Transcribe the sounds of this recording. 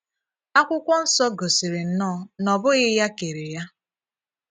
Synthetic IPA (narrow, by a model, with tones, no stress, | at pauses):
a˦kʷʊ˦kʷɔ˦n̩˦sɔ˦ɡo˨si˨ɾɪ˨n̩˦nɔ˦˨nɔ˨bʊ˦ɣɪ˦ja˦ke˨ɾe˨ja˦